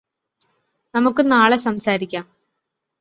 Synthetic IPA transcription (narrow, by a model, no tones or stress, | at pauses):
nɐmukːɨnaːɭesɐmsaːɾikʲːaːm